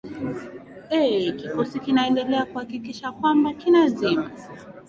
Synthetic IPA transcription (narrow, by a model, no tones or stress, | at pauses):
ɛkikɔsikinaɛndɛlɛakuhakikiʃakwambakinazima